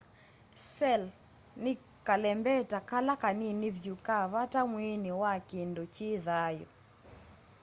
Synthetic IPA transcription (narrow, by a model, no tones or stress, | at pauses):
sɛl | nɪ | kalɛmbɛtakalakaninɪvjukaβatamwinɪwakɪndɔt͡ʃɪðajɔ̰